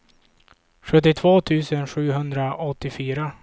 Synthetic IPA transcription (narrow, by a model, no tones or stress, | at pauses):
ɧɵt̪ːɪt̪ʰvoːt̪ʰʉ̟ːsənɧʉ̟ːɦɵnd̪ɾaʔɔt̪ːɪfyːɾa